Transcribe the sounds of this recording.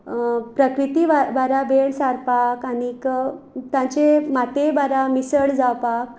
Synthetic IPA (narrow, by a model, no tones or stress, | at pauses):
pɾəkɾit̪iʋabaɾabeɭsaɾpakanik | t̪jãt͡ɕemat̪ebaɾamisəɭd͡zawpak̚